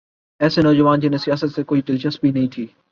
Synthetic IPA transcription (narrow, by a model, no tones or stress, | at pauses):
ɛːsenɔːd͡ʒəʋaːnd͡ʒɪnesijaːsət̪sekoːiʈɪld͡ʒəsbʱinɐɦĩt̪ʰiː